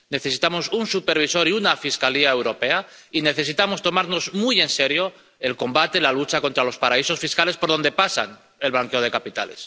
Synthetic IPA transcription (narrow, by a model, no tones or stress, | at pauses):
ne̞θe̞si̥t̪amo̞sunsupe̞ɾβ̞iso̞ɾiunafiskaliae̞wɾo̞pe̞a | ine̞θe̞sit̪amo̞st̪o̞maɾno̞zmuje̞nse̞ɾjo̞ | elko̞mbat̪elalut͡ʃako̞nt̪ɾalo̞spaɾaiso̞sfiskale̞spo̞ɾð̞o̞nd̪e̞pasa̰n | e̞lβlaŋkeo̞ð̞e̞kapit̪a̰le̞̰s